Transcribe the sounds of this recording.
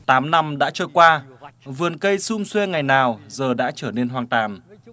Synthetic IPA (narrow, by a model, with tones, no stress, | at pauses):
t̪aː˨˦mna˧mɗa̰ː˧˥t͡ɕɔː˧jkwaː˧vɨ˨˩ənkə˧jsʊ˧ŋ͡mswe˧ŋa˨˩jnaː˨˩wzəː˨˩ɗa̰ː˧˥t͡ɕəː˧˩ne˧nhɦwaː˨˩ŋt̪aː˨˩n